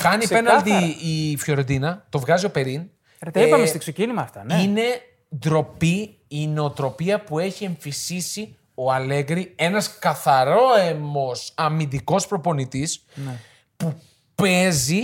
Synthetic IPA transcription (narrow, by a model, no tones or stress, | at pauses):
xɐnipenɐld̪iifço̞ɾod̪inɐt̪o̞vɣɐzio̞pe̞ɾin | ipɐmest̪iksecinimɐft̪ɐnine̞ | d̪ɾo̞pi | ineot̪ɾo̞piɐpue̞çie̞ɱfisisi | o̞ɐle̞ɣɾie̞nɐskɐθɐɾo̞emo̞sɐmind̪iko̞spɾo̞po̞nit̪is | n | pu | pe̞zi